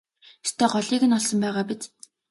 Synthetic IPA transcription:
st̪ʰɔːɢɔɮiːkɘ̆nɔɮsɞ̆mpæːʁaːpit͡s

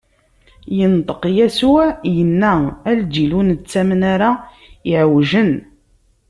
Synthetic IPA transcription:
jənt̪ˤə̥qjæsuʕjənːææld̪ilunt͡sːæmənæɾa | ɪʕwʒən

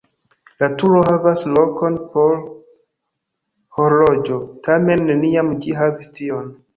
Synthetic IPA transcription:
latuɾo̞havaslo̞ko̞npo̞ɾ | ho̞lod͡ʒo̞tʰame̞nːe̞niamd͡ʒiɦavistio̞n

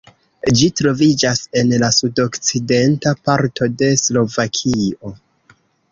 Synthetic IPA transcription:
d͡ʒitɾo̞vid͡ʒase̞nlasudo̞kt͡side̞ntapaɾto̞de̞slo̞vakʰio̞

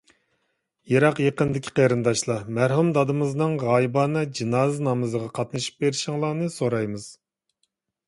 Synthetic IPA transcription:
jeɾɑqjeqənd̪ɪkʲʰi̥qʰeɾɨnd̪ɑʃlˠɑmæɾhumd̪ɑd̪ɨmɨznɨŋʁɑjibɑnɨd͡ʒinɑːznɑmɨzəʁɑqʰɑt̪nɨʃi̥p̚beɾɪʃɪŋlˠɑːnɨsoɾɑjmɨz̥

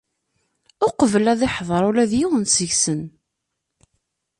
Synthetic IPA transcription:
ʊqvəlæðɪħðˤɑɾˤulæðjiwənsəʝsən

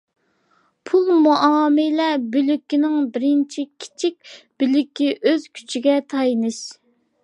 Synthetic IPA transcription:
pʰulˠmuʔɑɑmɪlɛbylykʲːinɪŋbɪɾɪnt͡ʃʰikʲʰi̥t͡ʃʰik̚ʲb̥ylykʲːiʔøzkʲʰy̥t͡ʃʰiɡʲɛt̪ʰɑjnɨʃ

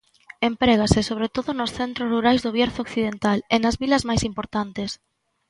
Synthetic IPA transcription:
empɾɛɣ̞asɪsoβɾet̪oðʊnʊsθɛnt̪ɾʊzruɾajzðʊβjɛɾθokθiðent̪alenɐzβilɐzmajsimpoɾt̪ant̪es

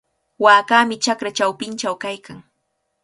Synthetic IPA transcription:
waːkaːmɪt͡ʃakɾat͡ʃawpɪnt͡ʃawkajkaŋ

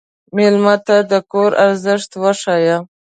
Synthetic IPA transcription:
melmat̪ad̪əkoɾʔaɾzəʂt̪waʂaja

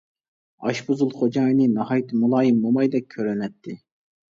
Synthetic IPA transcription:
ɑ̰ʃbuzulˠχod͡ʒɑːnɪnɑhɑjt̪ʰɨmulˠɑːjimbomɑjd̪ɛk̚ʲʰːøɾynɛt̪ʰːɪ

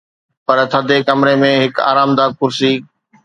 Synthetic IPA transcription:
pɐɾt̪ʰɐd̪ʱekɐmɾemẽɦɪka̰ːɾaːmd̪aːkʊɾsiː

